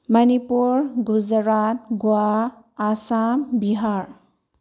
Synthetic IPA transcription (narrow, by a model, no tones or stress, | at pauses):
mʌnipuɾɡuzɾat̪ɡua | asambiɦaɾ